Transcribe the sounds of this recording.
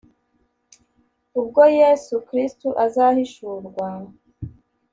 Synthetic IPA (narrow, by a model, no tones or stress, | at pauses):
ub̚ɡo̞jesukɾistuʔazaːhiʃuːɾɡwa